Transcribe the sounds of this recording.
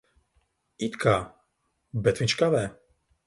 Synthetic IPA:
it̪kʰa | bɛt̪ʰvit͡ʃkavɛ

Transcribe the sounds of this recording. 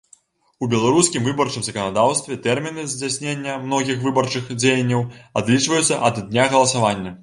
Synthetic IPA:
ubʲɛlˠaɾusʲkʲimvɨbɐrt͡ʂɨmzɐkɐnad̪awst̪vʲɛt̪ɛrmʲinɨzʲd͡zʲasʲnʲenʲːɐmnɔɣʲixvɨbɐrt͡ʂɨxd͡zʲejɐnʲːɐwad̪lʲit͡ʂvɐjut̪sːɐʔɐd̪nʲaɣɐlˠɐsavanʲːɐ

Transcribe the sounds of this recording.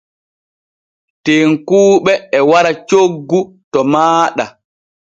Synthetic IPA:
teːŋkuːɓɛːwaɾat͡ʃoɡːu | tɔmaːɗa

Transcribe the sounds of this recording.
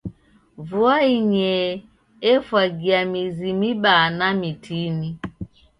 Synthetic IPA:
vuaiɲɛ | ɛfwaɡiamizimiɓanamitʰini

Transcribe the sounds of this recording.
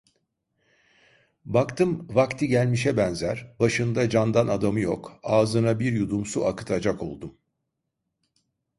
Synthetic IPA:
bakt̪ʰɯmvakt̪ʰiɟælʲmiʃɛbɛnzæɾ̥baʃɯnd̪ad͡ʒand̪anad̪amɯjo̞̰kaːzɯnabiɾjud̪umsuakɯ̥t̪ʰad͡ʒako̞̰lˠd̪um

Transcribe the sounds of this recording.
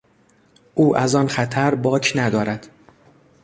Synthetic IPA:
ʔuːʔæzɒnxæt̪ʰæɾbɒːcʰnæd̪ɒːɾæd̪̥

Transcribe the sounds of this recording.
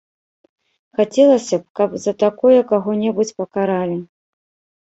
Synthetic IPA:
xat͡sʲɛlˠɐsʲɐp̚kɐpzɐt̪akɔjɐkaɣɔnʲɛbut͡sʲpɐkaɾalʲi

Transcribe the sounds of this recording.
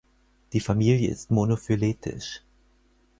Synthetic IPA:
d̥iːfamiːljəɪ̰stmonofyleːtʰɪ̰ʃ

